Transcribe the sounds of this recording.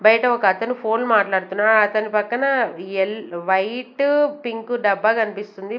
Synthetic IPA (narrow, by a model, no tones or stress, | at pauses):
bɐjɐʈɐɔkɐːt̪ɐnipʰoːlmaːʈlaːɽut̪unːaːɾuɐt̪ɐnipɐkːɐnɐelʋɐjʈpiŋkuɖɐbːɐkɐnipist̪und̪i